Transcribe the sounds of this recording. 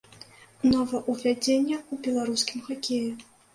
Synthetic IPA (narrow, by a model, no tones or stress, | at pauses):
nɔvɐʔuvʲad͡zʲenʲːɐubʲɛlˠaɾuskʲimxakʲeju